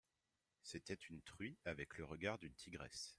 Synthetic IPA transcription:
set̪ɛt̪ynt̪χɥiavɛkləʁəɡaʁd̪ynt̪ʰiɡʁɛ̰s

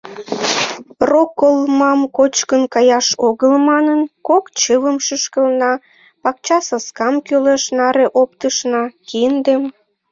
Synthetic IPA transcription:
rokːəlmɑmkot͡ɕkənkɑjɑʃoɣəlmɑnənkokt͡ɕəβəmʃəʃkəlnɑ | pɑk̚t͡ɕɑsɑskɑmkøleʃnɑɾeʔopt̪əʃnɑkind̪em

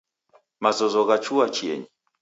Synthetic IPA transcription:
mazɔzɔɣat͡ʃuat͡ʃiɛ̰ɲi

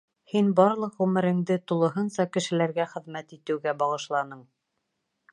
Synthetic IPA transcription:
hinbɑɾlˠɤqʁʉmɘ̆ɾɘ̆ŋd̪ɘt̪ulˠɤ̆ɦɤnsɑkɘ̆ʃɘ̆læɾɡæχɘ̆ðmæt̪it̪ɘ̆wɡæbɑʁɤ̆ʃlˠɑnɤɴ

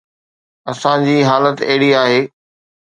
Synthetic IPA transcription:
ɐsãd͡ʑiːɦaːlət̪ɐɦɪɽiaːɦeː

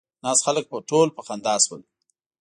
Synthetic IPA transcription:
nɑsxalək̚pəʈolpəxand̪ɑswəl

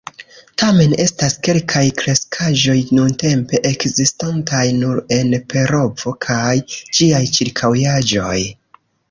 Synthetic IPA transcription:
tame̞ne̞staske̞lkʰajkɾe̞skʰaʒo̞jnunte̞mpe̞ʔekzistantajnuɾe̞npe̞ɾo̞vo̞kʰajd͡ʒiajt͡ʃiɾkʰawjad͡ʒo̞j

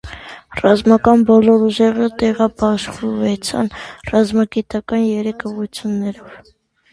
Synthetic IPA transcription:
rɑzmɑkɑnbɔlɔɾuʒɛʁət̪ɛʁɑpɑʃχuvɛt͡sʰɑ̰nrɑzmɑɡit̪ɑkɑnjɛɾɛkʰɔʁut͡sʰjunːɛɾɔv

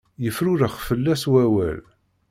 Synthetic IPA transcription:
jəfɾʊɾəχfəlːæswæwæ̰l

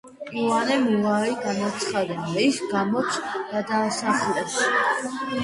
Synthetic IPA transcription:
uanɛmulaiɡanat̪sʰχad̪ɛb̪aisɡamɔt̪sʰɡad̪aːsaχlɛps

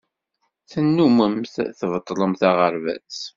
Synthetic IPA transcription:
θənːuməmθθəvət̪ˤːlˤəmθaʁəɾvæ̰t͡s

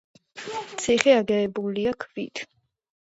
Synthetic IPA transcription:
t̪sʰiχɛaɡɛːbuliakʰvḭt̪ʰ

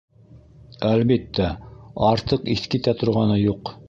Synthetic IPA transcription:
ælbit̪ːæɑɾt̪ɤqiθkit̪æt̪ŏɾʁɑnɤjuq

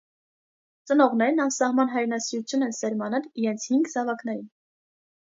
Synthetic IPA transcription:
t͡sənɔʁnɛɾnɑmsɑhmɑnɦɑjɾnɑsiɾut͡sʰjunɛnsɛɾmɑnɛliɾɛnt͡sʰhiŋɡzɑvɑknɛɾin

